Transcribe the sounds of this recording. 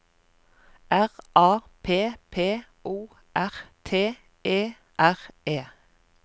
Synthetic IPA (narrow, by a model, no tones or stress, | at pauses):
ʔæʁʔɑːpʰeːpʰeː | uː | ʔæʁt̪ʰeː | eː | ʔæʁeː